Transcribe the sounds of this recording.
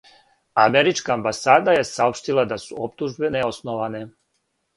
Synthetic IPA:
ameɾit͡ʃkaːmbasaːd̪aje̞saopʃt̪ilˠad̪asuopt̪uʒbe̞neosnoʋane̞

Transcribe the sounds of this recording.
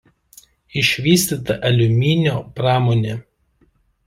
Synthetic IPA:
ɪʃʲʋʲiːsʲt̪ʲit̪ɐʔɐlʲʊmʲinʲoːpɾɑːmoːnʲeː

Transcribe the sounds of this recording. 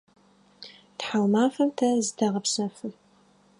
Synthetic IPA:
tħalmaːfɐmtʰɐzdʰɐʁɐpsɐfɨ

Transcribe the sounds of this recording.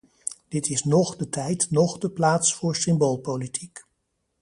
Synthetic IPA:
d̥ɪtɪsnɔχdətɛjtnɔχdəplaːtsfʊːɹsɪmboːlˠpolitʰik

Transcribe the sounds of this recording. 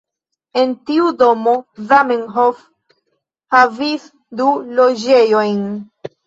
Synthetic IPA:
e̞ntiudo̞mo̞zamiŋɦof | havis | dulo̞d͡ʒe̞jo̞jn

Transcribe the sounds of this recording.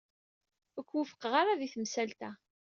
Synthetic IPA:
əkʷːwəfə̥qəʁaɾaðiθəmsælt̪æ

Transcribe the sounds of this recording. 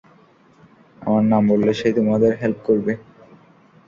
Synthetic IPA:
a̰maɾnambolːeʃet̪umad̪eɾɦelp̚koɾbe

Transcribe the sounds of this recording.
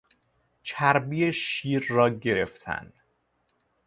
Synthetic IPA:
t͡ʃʰæɾbijeʃiːɾːɒːɟe̞ɾe̞ft̪ʰæ̰nd̪̥

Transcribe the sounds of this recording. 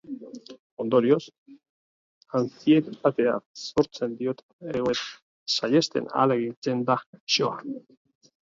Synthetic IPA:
o̞nd̪o̞ɾio̞s | ant͡siet̪t̪at̪e̞a̰so̞ɾt͡se̞nd̪io̞t̪ | eɣet | saje̞st̪e̞̰na̰leɣit͡se̞nd̪aʃo̞a

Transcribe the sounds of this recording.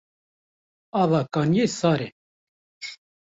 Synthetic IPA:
ɑːvɑkɑːnjesɑːɾe

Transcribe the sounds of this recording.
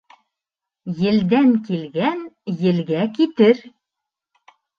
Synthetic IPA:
jɘ̆ld̪æŋkilɡænjɘ̆lɡækit̪ɘɾ

